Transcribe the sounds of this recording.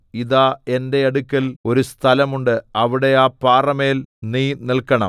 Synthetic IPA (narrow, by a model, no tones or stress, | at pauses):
iðaːe̞nde̞ɐɽukʲːɐlo̞ɾust̪ʰɐlɐmuɳɖɨɐʋiɽe̞aːpaːrɐmeːlniːnilkːɐɳɐ̰m